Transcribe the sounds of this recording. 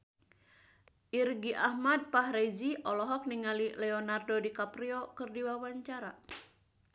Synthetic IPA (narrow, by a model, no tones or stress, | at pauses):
ʔirɡiʔahmad̚paɦɾed͡ʒiʔɔlɔɦɔk̚niŋalilɛɔnardodikapɾiokɨrdiwawaɲt͡ʃaɾa